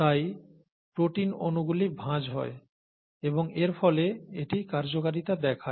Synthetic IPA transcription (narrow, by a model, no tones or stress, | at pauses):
t̪aj | pɾoʈinonuɡulibʱãd͡ʑɦɔe | eboŋeɾfɔleeʈikaɾd͡ʑokaɾit̪ad̪ɛkʰa